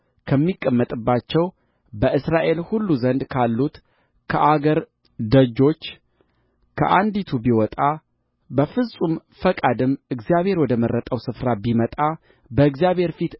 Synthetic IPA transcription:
kʰəmːikʼːəmːət̪ʼɨbːat͡ʃːɛw | bəɨsɾaʔe̞lhulːuzənd̪kʰalːut̪ | kʰəʔaɡəɾ | d̪əd͡ʒo̞t͡ʃː | kʰə̰ʔand̪it̪ʰubiwɔt̪ʼa | bəfɨsʼumfəkʼad̪ɨmɨɡzijaβhe̞ɾwɔd̪əməɾːət̪ʼəwsɨfɾabimət̪ʼa | bəɨɡzijaβhe̞ɾfit̪

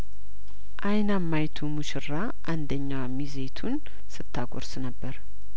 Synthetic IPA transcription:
ʔajnamːajt̪ʰumuʃɨra | ʔand̪əɲːamize̞t̪ʰun | sɨt̪ʰːaɡʰʼoɾsnəbːəɾ

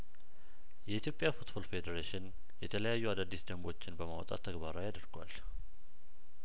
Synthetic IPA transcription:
jɛʔit̪ʰjo̞pʼjafut̪bolfe̞d̪əɾeʃɪn | jɛt̪ʰələjajːuad̪ad̪ːisd̪əmbo̞t͡ʃːɪnbəmawɔt̪ʼa̰t̪ʰːəɡbaɾajad̪əɾɡwa̰l

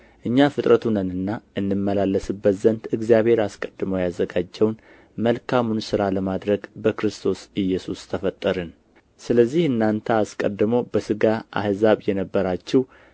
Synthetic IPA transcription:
ʔɨɲːafɨt̪ʼɾət̪ʰunənɨnːaʔɨnːɨmːəlalːəsɨbːət̪zənt̪ɨɡzijaβhe̞ɾaskʼə̥d̪ːɨməwjazːəɡad͡ʒːɛwn | məlkʰamunsɨɾaləmad̪ɾəɡbəkɾɨst̪ʰo̞sɨjɛsust̪ʰəfət̪ʼːəɾɨn | sɨləzːihɨnːant̪ʰəaskʼə̰d̪ɨmowbəsɨɡaa̰hzaβjɛnəbːəɾat͡ʃːɛw

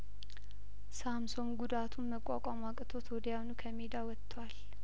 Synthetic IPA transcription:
samso̞nɡud̪at̪ʰunːəkʼːa̰kʷʼamakʼɨt̪ʰo̞t̪ʰwɔd̪əjawnukʰəmed̪awɔt̪ʰʼːwal

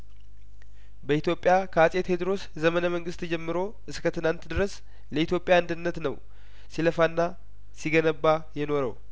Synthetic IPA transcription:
bəit̪jo̞pʼːjakʰəasʼet̪hed̪ɾo̞s | zəmənəməŋɡɨst̪d͡ʒɛmːɨɾo̞ | ʔɨskʰət̪ʰɨnant̪d̪ɨɾəs | ləit̪jo̞pʼjaand̪ɨnːət̪nəw | siləfanːa | siɡənəbːajɛno̞ɾə̰w

